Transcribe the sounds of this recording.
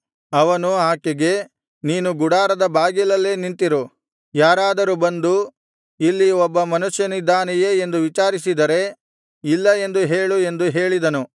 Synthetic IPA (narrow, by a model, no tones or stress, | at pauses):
ɐʋɐnuaːkeɡe̞ | niːnuɡuɽaːɾɐd̪ɐbaːɡilɐlːe̞ːnint̪iɾu | jaːɾaːd̪ɐɾubɐnd̪u | ilːiɔbːɐmɐnuʂjɐnid̪aːnijeːend̪uʋit͡ʃaːɾisid̪ɐɾe̞ | ilːɐe̞nd̪uɦe̞ːɭue̞nd̪uɦe̞ːɭid̪ɐnu